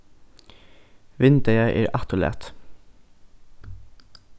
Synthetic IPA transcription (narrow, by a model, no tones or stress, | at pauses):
ʋɪnt̪əɾæʔḛːɾʔɑt̪ʊlḛːt̪